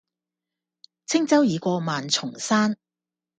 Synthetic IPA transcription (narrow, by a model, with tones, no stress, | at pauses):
t͡sʰɪ˥ŋt͡sɐ˥wjiː˨˧kʷɔː˧maː˨nt͡sʰʊ˨˩ŋsaː˥n